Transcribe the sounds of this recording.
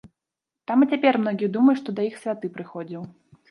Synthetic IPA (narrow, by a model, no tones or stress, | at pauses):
t̪amɨt͡sʲapʲɛrmn̪ɔɡʲiɛd̪umɐjuʂt̪ɔd̪ɐixsʲvʲat̪ɨpɾɨxɔd͡zʲiw